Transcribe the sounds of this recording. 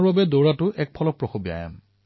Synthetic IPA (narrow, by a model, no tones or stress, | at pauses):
ɹbabɛdowɹatʊʔɛk̚pʰɔlɔk̚pɹɔxobia̰ja̰m